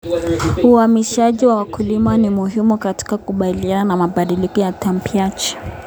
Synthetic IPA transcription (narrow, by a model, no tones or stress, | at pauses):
uamiʃaʄiwawakulimanimuɦimukati̥kakuɓaliananamaɓaɗilikɔjatam̩piat͡ʃi̥